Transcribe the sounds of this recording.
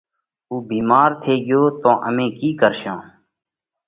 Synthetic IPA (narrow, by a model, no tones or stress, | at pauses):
uːbiːmaːɾt̪ʰeːɡɪjoːt̪õːʔəmẽːkiːkəɾʃãː